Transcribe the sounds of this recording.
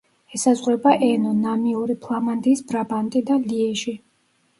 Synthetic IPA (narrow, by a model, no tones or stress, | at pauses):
ɛsazʁwɛbaʔɛnɔnamiuɾipʰlˠamand̪ʼiːsbɾabant̪ʼid̪aliɛʃi